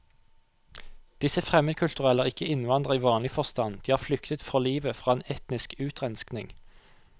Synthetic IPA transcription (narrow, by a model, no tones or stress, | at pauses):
d̪̥ɪsəfʁɛməd̪kʰʉlt̪ʉʁɛləːʁɪkːəɪnʋɑnd̪ʁəiːʋɑːnlɪfɔʁst̪ɑnd̪iːhɑːʁflʏkt̪ət̪fɔliːʋəfʁɑːeːnɛt̪nɪskʉːt̪ʁɛnsknɪŋ